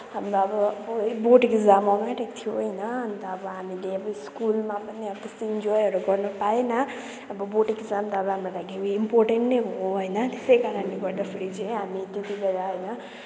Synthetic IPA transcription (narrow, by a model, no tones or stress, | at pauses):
ɦamɾoʌbʌʌbboʈkizamɔɡãʈet̪ʰijoɦʌjnʌʌnt̪ʌːbʌɦamileʌbʌskulmapʌniʌbʌt̪est̪iind͡ʒɔjɦʌɾuɡʌrnupaenʌː | bʌboʈikzamt̪ʌːbʌɦamrolaɡiwiːmporʈeɳʈnejɦõɦʌjnʌt̪esʌjkaɾʌnleɡʌɾd̪apʰeɾit͡saj̃ɦamit̪it̪ibeɾaɦʌjnʌ